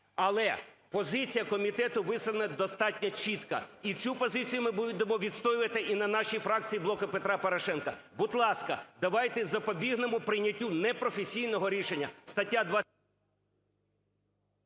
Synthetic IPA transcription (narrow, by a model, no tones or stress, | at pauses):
ɐlˠɛpɔzɪt͡sʲijɐkɔmʲit̪ɛt̪ʊʋɪslˠɐnɛd̪ɔst̪ɑtʲnʲɔt͡ʃit̪kɐ̰it͡sʲupɔzɪt͡sʲijʊmɪbud̪emɔʋʲid̪st̪ɔjɪʋɐt̪ɪʔinɐnɑʃijfɾɑk̚t͡sʲijiblˠɔkɪpet̪ɾɑpɔɾɔʃɛnkɐbʊd̪lˠɑskɐd̪ɐʋɑjt̪ɛzɐpɔbʲiɦnemʊpɾɪnʲɐtʲːunɛpɾɔfesʲijnɔɦɔɾʲiʃenʲːɐst̪ɐtʲːad̪ʋɑ